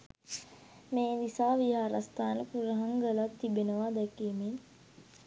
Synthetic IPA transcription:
meːd̪isaːʋiɦaːɾast̪aːnəpuɾəɦaŋɡəlat̪ːibenəʋaːd̪ɛkiːmen

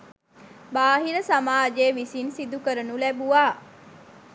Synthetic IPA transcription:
baːɦiɾəsamaːd͡ʒeːʋisinsid̪ukəɾənulæbuʋaː

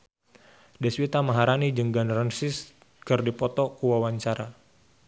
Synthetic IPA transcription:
dɛswit̪amaɦaɾanid͡ʒəŋɡanrənsɪs | kɨrdipɔt̪ɔkuwawaɲt͡ʃaɾa

